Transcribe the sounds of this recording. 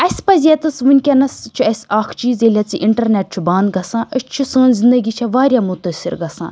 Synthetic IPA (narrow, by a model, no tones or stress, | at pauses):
ɐsʲpɐzʲet̪ɐsʋunʲkʲɐnɐst͡ʃʰuɐsʲaːkʰt͡ʃiːzʲeːlʲaːt͡sḭʔiɳʈɐɾneːʈ̚t͡ʃʰubãːnd̪̚ɡɐsãːʔɐst͡ʃʰusə̃ːnzind̪ɐɡʲiːt͡ʃʰaʋaːɾʲjamut̪əsḭɾɡɐsa̰ːn